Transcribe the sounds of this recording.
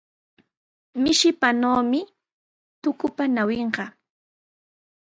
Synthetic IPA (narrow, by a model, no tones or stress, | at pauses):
mɪʃɪpanoːmɪ | t̪ʊkʊpanaweɴɢɑ